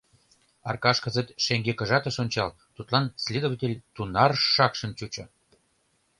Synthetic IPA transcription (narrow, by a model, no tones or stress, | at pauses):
ɑ̰rkɑʃkə̆zet̪ʃeŋɡekə̆ʒɑt̪ə̆ʃonʲt͡ɕɑl | t̪ut̪lɑnsʲlʲed̪ovətʲelʲt̪unɑrʃːɑkʃə̆nt͡ɕut͡ɕɤ̆